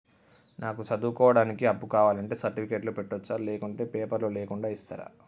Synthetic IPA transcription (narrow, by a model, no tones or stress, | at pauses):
naːkut͡ʃɐd̪uːkɔːʋɐɽaːnikiɐbːukaːʋaːlɐɳʈe̞ːsɐɾʈipʰikeʈlupeʈːʋɔt͡ʃːaːleːkuɳʈe̞ːpɛːpɐɾloleːkuɳɖaːist̪ɐ̰ːɾa̰